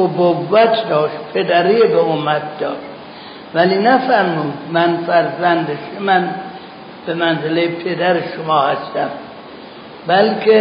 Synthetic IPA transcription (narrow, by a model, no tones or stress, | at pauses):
obovːæt̪ʰd̪ɒːʃt̪pʰed̪æɾiːjebeomæt̪̚ʰd̪ɒːʃt̪ | væliːnæfæɾmuːd̪mænfæɾzænd̪eʃemæn | b̥emænzelejepʰed̪æɾeʃomɒːhæst̪æm | bælkʰe